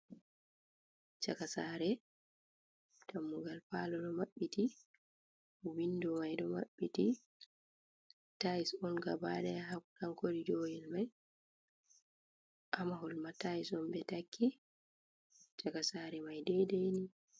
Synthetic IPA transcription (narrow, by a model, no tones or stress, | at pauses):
t͡ʃakasaɾɛ | tʰamːuɡalpaːlɔɗɔmaɓːiti | windɔmajdɔma̰ɓːiti | tajisɔnɡa̰badɛjaɦakuɗaŋkodid͡ʒojilmaj | ʔamaɦɔlmatajisɔnbɛtakʰːi | t͡ʃakasaɾɛmajdɛjdejni